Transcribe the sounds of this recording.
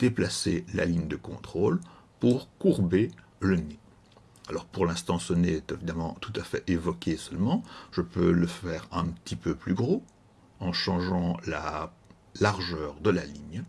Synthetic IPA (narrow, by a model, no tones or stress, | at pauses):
d̪̥eplasela̰liɲd̪əkɔ̃t̪χoːl | puʁkuʁbe | ləne | alɔʁpuʁlɛ̃st̪ɑ̃səneɛt̪evid̪amɑ̃t̪ut̪afɛ̰ʔevɔkʲesœlmɑ̃ʒ̥əpøləfɛːʁɛ̃pət̪ipøplyɡʁo | ɑ̃ʃɑ̃ʒɑ̃la | laʁʒœːʁd̪əlaliɲ